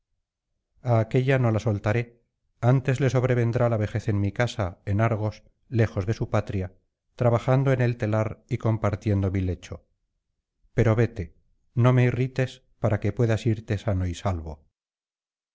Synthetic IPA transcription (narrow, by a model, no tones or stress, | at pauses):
aːke̞ʎano̞lasolt̪aɾe̞ | ant̪e̞zle̞so̞β̞ɾe̞βe̞nd̪ɾalaβe̞xe̞θe̞nmikasaenaɾɣ̞o̞s | le̞xo̞zðe̞supat̪ɾja | t̪ɾaβaxand̪oe̞ne̞lt̪e̞laɾiko̞mpaɾt̪je̞nd̪o̞mile̞t͡ʃo̞ | pe̞ɾo̞βe̞t̪e̞ | no̞me̞irit̪e̞s | paɾake̞pwe̞ðasiɾt̪e̞sano̞isalβo̞